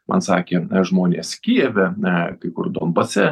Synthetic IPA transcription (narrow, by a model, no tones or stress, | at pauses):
mʔɐ̰nsɑːkʲeːʒmoːnʲḛːskʲiɛʋʲɛkɐɪkʊ̰rd̪ombɐsʲɛ